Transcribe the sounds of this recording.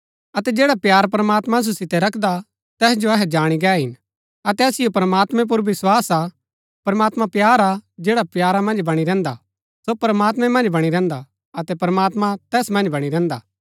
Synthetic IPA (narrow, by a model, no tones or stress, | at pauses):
ɐt̪ɛd͡ʒeːɽapjaːɾpɐɾɐmaːt̪mãs̬osɪt̪ɛɾɐkʰd̪a | t̪ɛːsd͡ʒoɐɦɛd͡ʒaːɽ̃iɡɛːɦɪn | ɐt̪ɛɐsɪjopɾɐmaːt̪mɛ̃p̬ʊɾʋɪswaːsa | pɐɾmaːt̪mapjaːɾad͡ʒeːɽapjaːɾamɐ̃nd͡ʒbɐɽ̃iɾɛ̃ːnd̪a̰ | sopɾəmaːt̪̬mɛ̃mɐ̃nd͡ʒbɐɽ̃iɾɛ̃ːnd̪a | ɐt̪ɛpɾɐmaːt̪mat̪ɛːsmɐ̃nd͡ʒbɐɽ̃iɾɛ̃ːnd̪a̰ː